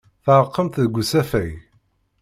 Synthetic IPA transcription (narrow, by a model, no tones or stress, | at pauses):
θəɾˤəqːəmt̪ðəɡʷusæfæj